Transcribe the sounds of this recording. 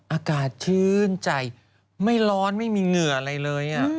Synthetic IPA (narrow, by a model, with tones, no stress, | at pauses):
ʔaː˧kaː˨˩t̪̚t͡ɕʰɯː˥˩˥nt͡ɕa˧˩j | ma˥˩jlɔː˦˥nma˥˩jmiː˧ŋɯ˨˩ʔa˧ɾa˧jlɤː˧jʔa˨˩